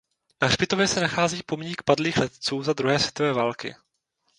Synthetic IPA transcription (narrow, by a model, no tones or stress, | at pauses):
nar̥bɪt̪o̞vjɛsɛnaxaːziːpomɲiːkpadliːxlɛt̪t͡suːzad̪ɾuɦɛːsvjɛt̪o̞vɛːvalkɪ̰